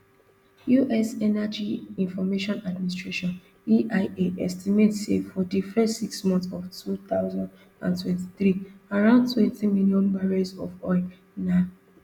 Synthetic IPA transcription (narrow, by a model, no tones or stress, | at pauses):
juʔɛsɛnad͡ʒiĩnfɔmeʃɔ̃nad̚minis̬tɹeʃɔ̃n | iʔaɪeʔɛstimetsḛfɔdifɛstːiksmɔ̃nθɔvtʰut̪aʊzãnd | ã̰ntwɛ̃nti̥θɹiaɹãʊ̃ndtʰwɛ̃ntimiljɔ̃nbaɹasɔfɔɪ | na